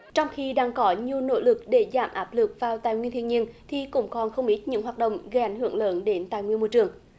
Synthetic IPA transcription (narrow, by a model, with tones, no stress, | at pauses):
t͡ɕɔ˧wŋ͡mxi˧ɗaː˧ŋkɔ˨˦ɲi˨˩əwno̰˧˥lɨ˨˩k̚ɗe˧˩zaː˧˩mʔaː˦˥p̚lɨ˨˩k̚vaː˨˩wt̪aː˧˨jŋwi˧ənt̪ʰi˧˨ənɲi˧ənt̪ʰi˨˩kʊ̰˧˥ŋ͡mkɔ˨˩nxə˧wŋ͡mʔi˦˥t̚ɲɨ̰˧˥ŋɦwaː˨˩t̚ɗə̰˧˨wŋ͡mɣə˧˦jʔa˨˦jŋ̟hɨ̰˧˩əŋləː˨˦nɗe˨˦nt̪aː˧˨jŋwi˧ənmo˧˩jt͡ɕɨ˨˩əŋ